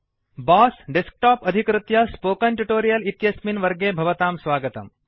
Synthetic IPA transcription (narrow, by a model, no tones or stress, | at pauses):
baːsɖesk̚ʈaːpɐd̪ʱikɾɨt̪jɐspoːkɐɳʈuʈoːɾijɐlit̪jɐsminʋɐɾɡeːbʱɐʋɐt̪aːmsʋaːɡɐt̪ɐ̰m